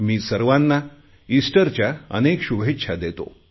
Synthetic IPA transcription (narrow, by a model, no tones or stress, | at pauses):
miːsəɾʋanːa | isʈəɾt͡ɕjaə̰nekɕubʱetːɕʰad̪et̪o̰